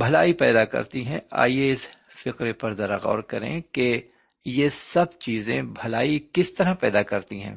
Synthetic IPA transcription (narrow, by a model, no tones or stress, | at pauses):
bʱɐlaːipɛːd̪akɐ̰ɾt̪iɦɛ̃a̰ːijeɪs | fɪqɾepɐɾzɐɾaɣɔ̰ːɾkɐɾḛ̃ke | jesɐb̚t͡ʃiːzḛ̃bʱɐlaːikɪst̪ɐɾapɛːd̪akɐɾt̪iɦɛ̰̃ː